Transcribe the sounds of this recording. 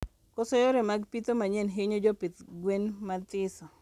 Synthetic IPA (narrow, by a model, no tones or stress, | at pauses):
kɔsɔjɔɾemaɡpit̪omaɲɛnɦɪɲod͡ʒɔpit̪ɡwenmat̪ɪsɔ